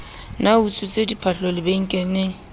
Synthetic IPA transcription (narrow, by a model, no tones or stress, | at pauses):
naut͡sʼut͡sʼedipʰaɬɔlɪbeŋ̩kʼɛneŋ̩